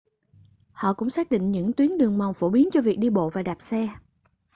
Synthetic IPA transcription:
hɔ̰˧˨kʊ̰˧˥ŋ͡msaː˦˥k̚ɗḭ̈˧˨ŋ̟ɲɨ̰˧˥ŋt̪wi˨˦ənɗɨ˨˩əŋma˨˩wŋ͡mfo˧˩ɓi˨˦ənt͡ɕɔ˧vi˨˩ək̚ɗi˧ɓo̰˧˨vaː˨˩ɗaː˨˩p̚sɛ˧

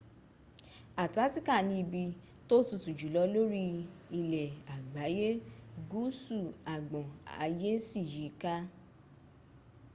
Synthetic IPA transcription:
a˨ta˨˦ti˦ka˦˨nĩ˧i˧bi˧ | to˦tu˧tu˨d͡ʒu˨lɔ˧˦lo˦ɾi˧˦i˧lɛ˨a˨ɡ͡ba˨˦je˦ɡu˦su˦˨a˨ɡ͡bɔ̃˨a̰˧je˦si˦˨ji˨˦ka˦

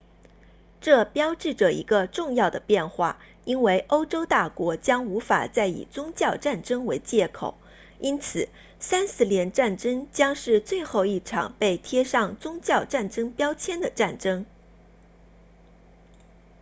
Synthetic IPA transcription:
ʈ͡ʂɤ˥˩pjɑ˥ʊʈ͡ʂɻ̩˥˩ʈ͡ʂɤ˨˩ḭ˧˥ɡə˧ʈ͡ʂʊ˥˧ŋjɑ˥˩ʊd̪ə˩pjɛ˥˧nxwa˥˩ | i˥nwe˥˩ɪʔo˥ʊʈ͡ʂo˥ʊt̪a˥˩kwɔ˧˥t͡ɕjɑ˥ŋu˧˥fa̰˨˩t͡sa˥˩ɪḭ˨˩t͡sʊ˥ŋt͡ɕjɑ˥˧ʊʈ͡ʂa˥˩nʈ͡ʂɤ˥ŋwe˧˥ɪt͡ɕjɛ˥˩kʰo̰˨˩ʊ | i˥nt͡sʰɹ̩˨˩ | sa˥nsɹ̩˥ljɛ˧˥nʈ͡ʂa˥˩nʈ͡ʂɤ˥ŋt͡ɕjɑ˥ŋʂɻ̩˥˧t͡swe˥˧ɪxo˥˧ʊi˥˩ʈ͡ʂʰɑ̰˨˩ŋpe˥˩ɪt̪ʰjɛ˥ʂɑ˥˩ŋt͡sʊ˥ŋt͡ɕjɑ˥˧ʊʈ͡ʂa˥˩nʈ͡ʂɤ˥ŋpjɑ˥ʊt͡ɕʰjɛ˥nd̪ə˨ʈ͡ʂa˥˩nʈ͡ʂɤ˥ŋ

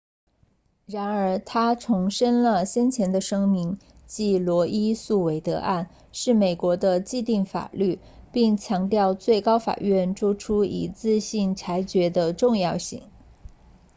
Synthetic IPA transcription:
ɻa˧˥nə˞˧˥t̪ʰa˥t͡sʰʊ˧˥ŋʂə˥nlə˨ɕjɛ˥nt͡ɕʰjɛ˧˥nd̪ə˧ʂɤ˥ŋmi˧˥n | t͡ɕi˥˩lwɔ˧˥ʔi˥su˥˩we˧˥ɪt̪ɤ̰˧˥ʔa˥˩n | ʂɻ̩˥˩me˨˩ɪkwɔ˧˥d̪ə˧t͡ɕi˥˧t̪i˥˩ŋfa̰˨˩ly˥˩ | pi˥˩ŋt͡ɕʰjɑ˧˥ŋt̪jɑ˥˧ʊt͡swe˥˩ɪkɑ˥ʊfa̰˨˩ɥɛ˥˩nʈ͡ʂu˥ʈ͡ʂʰu˥ḭ˨˧˩t͡sɹ̩˥˧ɕi˥˩nʈ͡ʂʰa˧˥ɪt͡ɕɥɛ˧˥d̪ə˧ʈ͡ʂʊ˥˧ŋjɑ˥˧ʊɕḭ˥˩ŋ

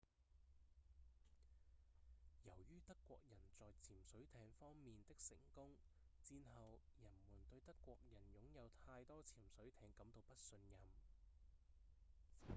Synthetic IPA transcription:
jɐ˨˩wjyː˥t̪ɐ˥kːʷɔ̰ː˧k̚jɐ˨˩nt͡sɔː˨jt͡sʰiː˨˩msɵ˨˥ɥt̪ʰɛː˧ŋfɔː˥ŋmiː˨nt̪ɪ˥k̚sɪ˨˩ŋkʊ˥ŋ | t͡siː˧nɦɐ˨wjɐ˨˩nmuː˨˩nt̪ɵ˧ɥt̪ɐ˥kːʷɔː˧k̚jɐ˨˩njʊ˨˥ŋjɐ˨˧wt̪ʰaː˧jt̪ɔː˥t͡sʰiː˨˩msɵ˨˥ɥt̪ʰɛː˧ŋkɐ˨˥mt̪o˧wpɐ˥t̚sɵ˧njɐ˨m

